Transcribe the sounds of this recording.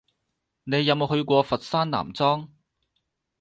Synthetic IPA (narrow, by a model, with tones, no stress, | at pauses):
ne˨˧jɐ˨˧wmo˨wɦɵ˧ɥkʷɔː˧fɐ˨t̚saː˥nna̰ː˨˩mt͡sɔː˥ŋ